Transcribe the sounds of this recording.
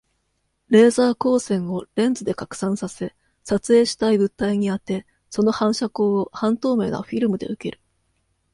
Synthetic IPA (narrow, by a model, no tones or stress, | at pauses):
ɾe̞ːzaːko̞ːsẽ̞ɰ̃o̞ɾẽ̞nd͡zɨd̪e̞kakɯ̟̥sãɰ̃sase̞ | sat͡sɨe̞ːɕi̥t̪aibɯ̟t̪ːaiɲ̟iat̪e̞ | so̞no̞hãɰ̃ɕako̞ːohãnt̪o̞ːme̞ːna̰ɸʲiɾɯ̟mɯ̟d̪e̞ɯ̟ke̞ɾɯ̟̥